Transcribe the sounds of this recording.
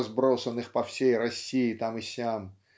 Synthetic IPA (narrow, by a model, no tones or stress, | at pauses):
zbɾo̞sənɨxpɐfsʲejrɐsʲiɪt̪amɨsʲam